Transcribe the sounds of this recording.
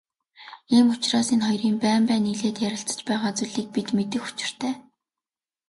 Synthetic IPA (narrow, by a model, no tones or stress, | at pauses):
iːmʊt͡ɕraːsinχɔjriːmpæːmpæːniɮeːt̪jæɾʲɪ̆ɬt͡sə̥̆t͡ɕpæːʁaːt͡suɮiːk̚pit̪met̪ɘ̆xu̥t͡ɕɪ̆r̥t̪ʰæː